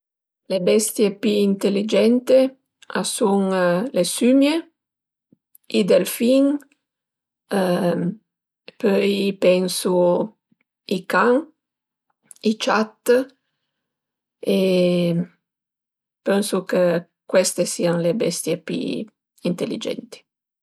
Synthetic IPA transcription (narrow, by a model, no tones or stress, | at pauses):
lebɛst̪jepiint̪elːid͡ʒɛnt̪e | asuŋlesymje | id̪elfiŋ | pœjpɛnsu | ikaŋ | it͡ʃat̪ː | e | pɛnsuke | kwɛst̪esiːaŋlebɛst̪jepḭ | int̪elːḭd͡ʒɛ̰nt̪i̥